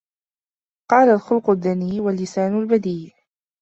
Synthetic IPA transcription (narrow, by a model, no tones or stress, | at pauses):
qɑːlalxʊlqʊðːaniːwalːɪsaːnʊlbad̪iː